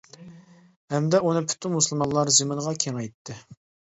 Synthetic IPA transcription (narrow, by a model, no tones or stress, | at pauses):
hɛmd̪ɛunɨpʰy̥t̪ʰymmusɨlˠmɑnlˠɑɾzɨmɨnʁɑkʲʰeŋɛjt̪ʰːɪ